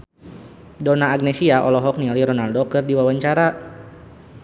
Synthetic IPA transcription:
dɔnaːɡnɛsiaʔɔ̰lɔɦɔk̚nialiɾɔnaldɔkərdiwawaɲt͡ʃaɾa

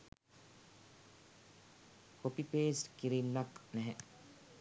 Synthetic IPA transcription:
hopipeːsʈkiɾimnaknɛɦɛ

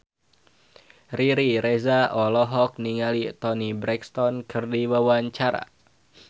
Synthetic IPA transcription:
riɾiɾɛzaɔlɔɦɔk̚niŋalit̪ɔnibɾɛkst̪ɔnkɨrdiwawaɲt͡ʃaɾa̰

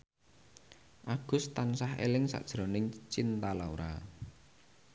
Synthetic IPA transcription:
ʔaɡ̥ʊ̤st̪ansahḛlɪŋsa̰ʔd̥ʒ̥ɾɔnɪŋt͡ʃint̪alaoɾa̰

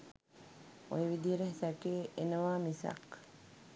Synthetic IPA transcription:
ojʋid̪iɾeɦesækeːʔenəʋaːmisɐ̰k

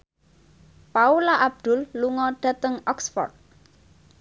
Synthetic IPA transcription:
paulaʔab̚d̪̥ʊ̤lːuŋɔɖ̥ä̤t̪əŋɔksfɔ̰rt̪̚

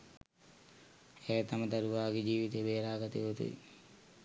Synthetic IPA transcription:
ɛːt̪aməd̪ɐɾuʋaːɡed͡ʒiːʋit̪ebeːɾaːɡət̪eot̪ṵḭ

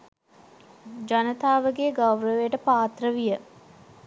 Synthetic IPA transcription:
d͡ʒanət̪aːʋəɡeːɡawrəʋeəʈəpaːt̪rəʋijə

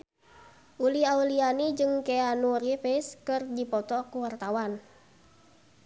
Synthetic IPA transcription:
ʔuliaulianid͡ʒɨŋkɛanuɾifiskɨrdipɔt̪ɔkuwart̪awan

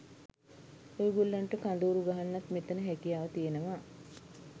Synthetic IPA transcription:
ojuɡolːanʈəkand̪uːɾuɡaɦanːat̪met̪ənəɦɛkijaːʋət̪ijenəma

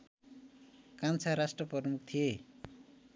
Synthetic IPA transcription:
kant͡sʰaɾasʈrʌprʌrmuk̚ʰt̪ʰije

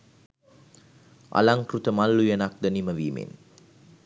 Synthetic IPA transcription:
ʔa̰laŋkɾut̪əmalːujɐnak̚d̪ɐniməʋiːmḛn

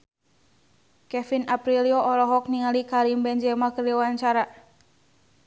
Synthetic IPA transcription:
kɛfinapɾiliɔʔːɾɔɦɔk̚niŋalikaɾimbɛɲd͡ʒɛmakəriwaɲt͡ʃaɾa

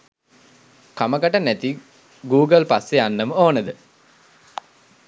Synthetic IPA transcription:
kamɐkaʈɐnæt̪i | ɡuːɡəlpasːeanːəməoːnəd̪ə

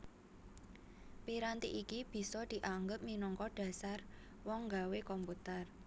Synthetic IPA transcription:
piɾant̪ḭʔikib̥i̤sɔd̪̥i̤ʔaŋɡəp̚minɔŋkɔɖ̥a̤sar | wɔŋːɡawekɔmput̪ər

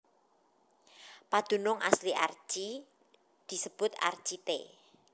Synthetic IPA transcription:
pad̪̥ṳnʊŋʔa̰sliʔar̥ʒ̥i | d̪̥i̤səb̥ʊt̪a̰rd̥ʒ̥it̪e

